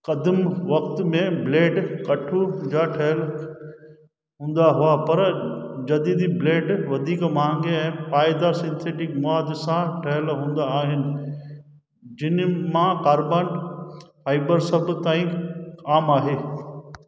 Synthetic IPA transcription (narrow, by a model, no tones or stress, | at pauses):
kɐd̪əmʋɐkt̪mẽbleːɖkɐʈʰud͡ʑaːʈʰɐɦəl | ɦũːn̆d̪aɦʊapɐɾd͡ʑɐd̪iːd̪ibleːɖʋɐd̪ʱiːkmãːŋɡeɛ̃ːpaːɪd̪aːɾsɪ̃nsʰeːʈɪkmʊaːd̪sãʈʰɐɦəlɦũːn̆d̪aːɦɪnɪ̆ | d͡ʑɪnmãkaːɾbaːnfaːɪbəɾsɐbt̪aːĩkaːmaːɦeː